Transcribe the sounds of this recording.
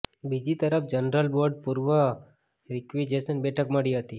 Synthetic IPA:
bid͡ʒit̪əɾəpd͡ʒənɾəlboɾɖpuɾʋə | ɾɪkʋid͡ʒesənbɛʈʰəkməɽiɦət̪i

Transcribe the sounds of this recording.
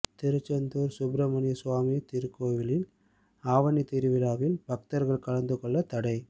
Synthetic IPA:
t̪ɪɾɯt͡ʃːɐnd̪uːɾsʊbɾɐmɐnɪjɐsʊʋaːmɪjɐt̪ɪɾɯkːoːʋɪlɪl | aːʋɐnit̪ɪɾɯʋɪlaːɣɪlbɐk̚t̪ɐɾɣɐɭkɐɻɐnd̪ɯkɔɭːɐt̪ɐɽɐɪ

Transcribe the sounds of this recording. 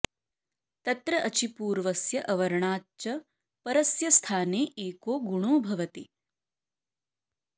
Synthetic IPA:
t̪ɐt̪ɾɐʔɐt͡ʃipuːɾʋɐsjɐʔɐʋɐɾɐɳaːt͡ʃɐ | pɐɾɐsjɐst̪ʰaːneːeːkoːɡuɽ̃oːbʱɐʋɐt̪i

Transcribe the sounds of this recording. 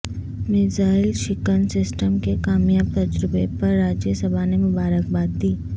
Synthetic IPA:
mɪzaːɪlʃɪkənsɪsʈəmkekaːmjaːb̚t̪ɐd͡ʒɾɪbepɐɾːaːd͡ʒjəsəbʱanemʊbaːɾək̚baːt̪̚d̪iː

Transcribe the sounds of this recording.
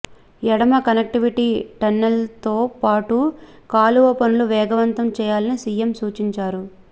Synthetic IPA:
jɛɽɐmɐkɐnek̚ʈiʋiʈiːʈɐnːɐlt̪oːpaːʈukaːluʋɐpɐnuluʋɛːɡɐʋɐnt̪ɐmt͡ʃɛːjaːlɐnisiːjemsuːt͡ʃiɲt͡ʃaːɾu

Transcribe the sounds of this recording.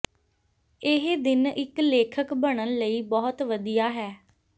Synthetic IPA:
ɪɦd̪ɪnɪkleːkʰəkbəɳ̃ənləiːbɔːt̪ʋəd̪ijaːɦɛː

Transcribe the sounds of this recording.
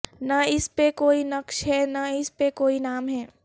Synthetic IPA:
nɐɪspekoːinɐkʃɦɛnaɪspekoːinaːmɦɛː

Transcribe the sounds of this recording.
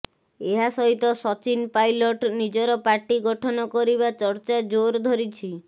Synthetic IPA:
eɦasɔɦit̪ɔsɔt͡ʃinpajlɔʈnid͡ʒɔɾɔpaɾʈiɡɔʈʰɔnɔkɔɾiβat͡ʃɔɾt͡ʃad͡ʒoɾd̪ʱɔɾit͡ʃʰi

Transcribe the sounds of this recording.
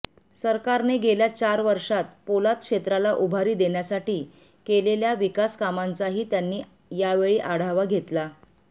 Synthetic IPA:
səɾkaɾneɡeljat͡ɕaɾʋəɾʂat̪̚polat̪̚kʂet̪ɾalaʔubʱaɾiːd̪eɳjasaʈiː | keleljaʋikaskamant͡saɦiːt̪janːiː | jaʋeɭiːʔaɽ̤aʋaɡʱet̪la

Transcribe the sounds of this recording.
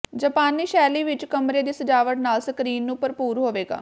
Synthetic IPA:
d͡ʒəpaːnːiːʃɛːliːʋɪt͡ʃkəmɾeːd̪iːsəd͡ʒaːʋəʈnaːlsəkɾiːnːũːpəɾpuːɾɦoːʋeːɡa̰ː

